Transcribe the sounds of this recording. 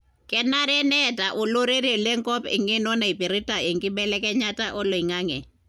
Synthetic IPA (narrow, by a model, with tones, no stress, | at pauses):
kʼɛ˦na˦ɾɛ˦nɛtʼa˨ʔʊ˨lo˦ɾe˦ɾi˦˨le˦ŋ˦kʼɔ˦pɪ̰˨ŋe˦nɔ˦na˨i˨pi˨ɾi˦tʼa˨e˨ŋ˨kʼɪ˦bɛ˦lɛ˦kʼɛ˦ɲatʼa˦ʔɔ˦lo˨i˨ŋa˦ŋɛ˨